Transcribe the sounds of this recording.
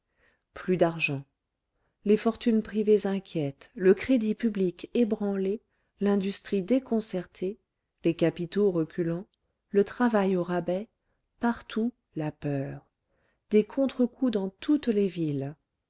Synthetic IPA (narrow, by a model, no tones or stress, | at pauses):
plyd̪aʁʒɑ̃ | lefɔʁt̪ynpχivezɛ̃kʲjɛt̪ləkχed̪ipyblikebʁɑ̃le | lɛ̃d̪yst̪χid̪ekɔ̃sɛʁt̪ʰe | lekapit̪oʁəkʲylɑ̃ | lət̪χavajoʁabɛ | paʁt̪ʰu | lapœːʁ | d̪ekʰɔ̃t̪χəkud̪ɑ̃t̪ʰut̪levil